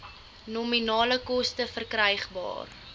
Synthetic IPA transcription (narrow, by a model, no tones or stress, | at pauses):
nɔminɑːləkɔstəfərkrəjχbɑ̰ːr